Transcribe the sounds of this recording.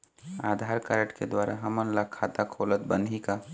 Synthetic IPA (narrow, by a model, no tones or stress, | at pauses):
aːd̪ʱaɾkaɾəʈked̪waːɾaɦəmənlakʰːaːt̪akʰolət̪̚bənd̪ʱika